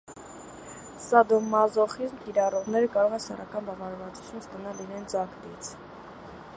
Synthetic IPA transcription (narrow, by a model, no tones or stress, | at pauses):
sɑd̪ɔmːɑzɔχizmkiɾɑrɔʁnɛɾəkɑɾɔʁɛnsɛrɑkɑnbɑvɑɾvɑt͡su̥t͡sʰjunst̪ɑnɑliɾɛnd͡zɑkd̪it͡sʰ